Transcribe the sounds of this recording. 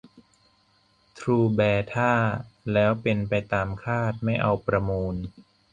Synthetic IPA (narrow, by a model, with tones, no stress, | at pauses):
t̪ʰɾuː˧bɛː˧t̪ʰaː˥˩lɛː˦˥wpe˧npa˧jt̪aː˧mkʰaː˥˩t̪̚ma˥˩jʔa˧wpɾa˧muː˧n